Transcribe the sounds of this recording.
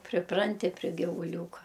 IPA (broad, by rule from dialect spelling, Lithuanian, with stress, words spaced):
pʲrʲɪˈprɐnʲtʲɪ pʲrʲɪ ɡʲɪʋʊˈlʲuːkɐ